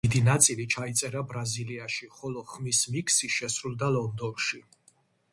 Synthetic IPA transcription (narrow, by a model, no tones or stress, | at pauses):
id̪inat̪sʼilit͡ʃʰait̪sʼɛɾabɾaziliaʃiχɔlɔχmismikʰsiʃɛsɾulˠd̪alɔnd̪ɔnʃi